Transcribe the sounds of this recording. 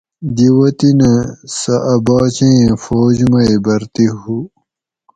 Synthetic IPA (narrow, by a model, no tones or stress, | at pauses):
d̪iwɐt̪inɐ̃sɐʔɐbɑːt͡ɕẽẽfoːd͡ʑmɐibɐɾt̪ihu